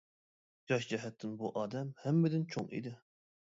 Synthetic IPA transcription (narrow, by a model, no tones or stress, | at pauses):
d͡ʒɑʃd͡ʒɛɦɛt̪ʰːɪnbuʔɑːd̪ɛmhɛmːɪd̪ɪnt͡ʃʰo̰ŋḭd̪ɪ